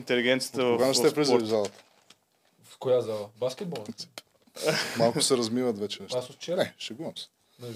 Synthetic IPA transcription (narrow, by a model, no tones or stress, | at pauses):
int̪ɛliɡʲɛnt̪sitt̪əvɡanɐʃt̪ɛpɾizɔɾivzalˠɐt̪ə̥ | fkojazalˠɐbaskʲɛt̪̚bolˠɛ | malˠkʊ̥sɛɾɐzmivɐt̪vɛt͡ʃɛɛasot̪t͡ʃɛnɛʃɛɡumɐms | n